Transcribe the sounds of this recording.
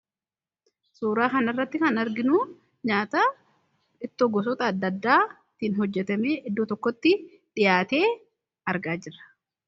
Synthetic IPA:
suːɾaːkɐnɪrːɐt̪ːɪkɐnɐɾɡɪnuː | ɲaːt̪aː | ᶑɪt̪ːoɡɔs̬ɔt̪ɐːd̪ːɐd̪ːaː | t̪inhɔd͡ʒːɛt̪ɐmeːʔɪd̪ːoːt̪ɔkːɔt̪ːɪ | ᶑɪjaːt̪e̞ː | ɐɾɡaːd͡ʒɪrɐ̥

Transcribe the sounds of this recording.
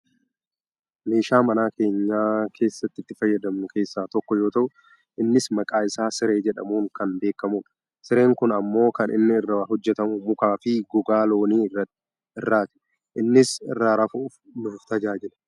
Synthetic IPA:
meːʃaːmɐnaːke̞ːɲːaːkʰe̞ːsːɐt̪ːɪt̪ːɪfɐjːɐd̪ɐmnʊkʰe̞ːsːaːt̪ɔkːɔjo̞ːt̪ɐʔʊ | ʔɪnːɪsmɐkʼaːɪsaːsɪɾe̞ːd͡ʒɛᶑɐ̰muːŋkɐnbe̞ːkːɐmʊᶑɐ̥ | sɪɾe̞ːŋkʊnɐmːo̞ːkɐnʔɪ̰nːɪɪrːɐɦɔd͡ʒːɛt̪ɐmʊmʊkaːfɪɡʊɡaːlo̞ːniːɐ | ɪrːaːt̪ɪ̥ | ʔɪnːɪsɪ̰rːaːɾɐfʊf | nʊfʊft̪ɐd͡ʒaːd͡ʒɪlɐ̥

